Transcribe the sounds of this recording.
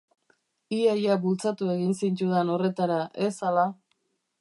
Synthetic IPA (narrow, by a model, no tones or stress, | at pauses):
iajabult͡sat̪ue̞ɣinsint͡ʃuðeno̞re̞t̪aɾaʔesala